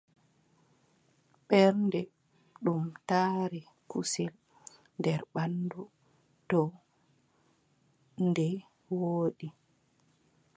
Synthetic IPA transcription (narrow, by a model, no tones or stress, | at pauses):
ɓɛɾndɛ | ɗumtaːɾi | kusil | ndɛɾɓandu | tɔ | ndɛ | woːɗi